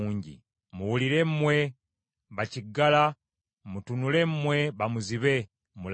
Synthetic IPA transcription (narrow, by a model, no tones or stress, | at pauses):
ɲɟḭ | muwuliɾe̞mmwe | βaciɡala | mutunule̞mmweβamuziβe | mul